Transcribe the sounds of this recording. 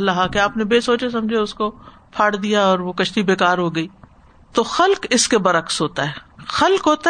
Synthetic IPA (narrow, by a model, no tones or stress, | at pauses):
laɦakeaːpnebeːsoːt͡ʃes̬ɐ̃md͡ʒʱieʊsko | pʰaːɽd̪ijaɔːɾʋokɐʃt̪ibeːkaːɾɦoːɡɐiː | t̪oxɐlkɪskebɐɾəksɦoːt̪aɦɛːxɐlkɦoːt̪a